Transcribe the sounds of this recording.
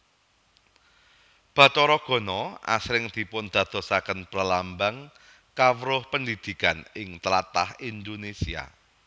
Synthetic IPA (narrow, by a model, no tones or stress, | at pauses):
b̥ä̤t͡ʃɔɾɔɡ̥ɔ̤nɔa̰sɾɪŋd̪̥i̤pʊnd̪̥ä̤d̪̥ɔ̤sakənpɾəlambaŋ | kawəɾʊhpənd̪id̪̥i̤kanɪŋt̪əlat̪a̰hind̪onesia̰